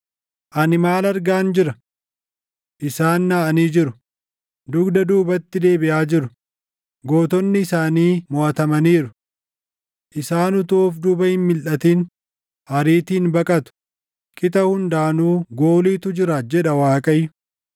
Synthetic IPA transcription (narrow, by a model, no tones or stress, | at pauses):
ʔɐnɪmaːlɐɾɡaːnd͡ʒɪɾɐ | ʔɪsaːnːaːɐniːd͡ʒɪɾʊ | d̪ʊɡd̪ɐd̪uːbɐt̪ːɪd̪e̞ːbɪʔaːd͡ʒɪɾʊ | ɡo̞ːt̪ɔnːɪːsaːniːmoʔɐt̪ɐmɐniːɾʊ | ʔɪsaːnʊt̪ʊːfd̪uːbɐhɪnmɪlʔɐt̪iːn | ɐɾiːt̪iːnbɐkʼɐt̪ʊ̥ | kʼɪt̪ɐhʊnd̪aːnuːɡo̞ːliːt̪ʊd͡ʒɪɾad͡ʒɛᶑɐwaːkʼɐjːʊ